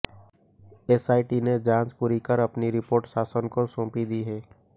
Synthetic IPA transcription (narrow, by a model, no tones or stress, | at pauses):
esaːiʈined͡ʒãːd͡ʒpʊɾikəɾɐpniɾɪpoːɾʈsaːsənkosõːpid̪iɦɛː